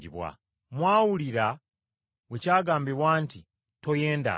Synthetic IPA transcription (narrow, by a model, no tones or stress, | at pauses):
ḭβwa̰ | mwaːwuliɾa | wecaːɡaːmbiβwaːnti | to̞je̞ːnda̰